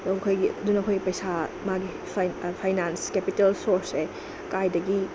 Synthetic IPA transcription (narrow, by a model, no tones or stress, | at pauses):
dɔɐkʰojɡiɐdunɐkʰojɡipɐjsamaɡi | pʰpʰajnanskepitelsoɾse | kajdɐɡi